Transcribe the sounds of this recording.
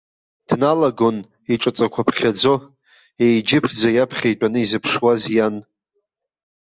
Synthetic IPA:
d̥nalaɡo̞n | iʈ͡ʂʼat͡sʼakʷʰapʰχʲad͡zo̞ | ejd͡ʒɪpʰd͡zajapʰχʲejtʼanɨizɨpʰʂwazjan

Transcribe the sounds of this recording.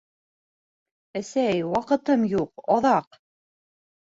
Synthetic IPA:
æsæjwɑqɤ̆t̪ɤmjuqɑðɑq

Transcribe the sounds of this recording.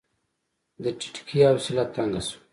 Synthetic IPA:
d̪ət͡ʃi̥ʈi̥kʰiawsilat̪ːaŋɡasu̥

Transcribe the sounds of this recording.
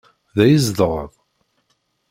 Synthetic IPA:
ðæjizd̪ʁə̰ðˤ

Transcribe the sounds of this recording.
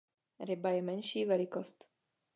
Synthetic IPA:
ɾɪbajɛmɛnʃiːvɛlɪkost̪

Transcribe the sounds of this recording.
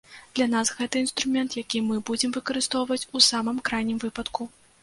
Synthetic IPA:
d̪̥lʲanasɣɛt̪ɐinst̪ɾumʲɛnt̪jakʲimɨbud͡zʲɛmvɨkɐɾɨst̪ɔwvɐt͡sʲusamɨmkɾajnʲimvɨpɐt̪ku

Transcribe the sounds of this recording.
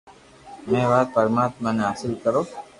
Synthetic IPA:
mɛ̃ːʋaːt̪̚pəɾmaːt̪mãːneɦaːsɪlkəɾoː

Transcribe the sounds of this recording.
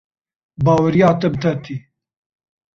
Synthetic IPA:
bɑːwɐɾijɑːt̪ɐbɨt̪ʰɐt̪ʰi

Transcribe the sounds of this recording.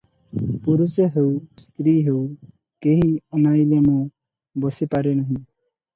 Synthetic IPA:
puɾuseɦewst̪ɾiɦew | keɦiɔnailemɔ̃ | bɔsipaɾenɔɦĩ

